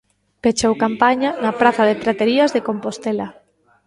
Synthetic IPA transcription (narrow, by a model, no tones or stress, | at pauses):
pet͡ʃowkampaɲanapɾaθaðep̪ɾat̪eɾiazðekompost̪ela